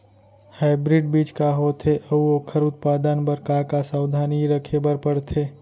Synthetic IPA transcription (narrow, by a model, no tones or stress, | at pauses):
haːɪbɾɪɖbiːt͡ʃkaɦoːt̪ʰeʔɐuoːkʰəɾʊt̪̚paːd̪ənbəɾkakasaːwd̪ʱaːniɾəkʰebəɾpəɽt̪ʰeː